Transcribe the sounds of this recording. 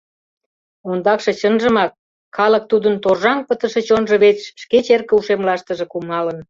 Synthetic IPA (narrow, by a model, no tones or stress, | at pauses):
ond̪ɑkʃɤ̆t͡ɕənʒə̆mɑkːʰ | ɑlək̚t̪ud̪ənt̪orʒɑŋpət̪ə̆ʃĕt͡ɕonʒə̆βet͡sʃket͡ɕerkəuʃemlɑʃt̪əʒĕkumɑlən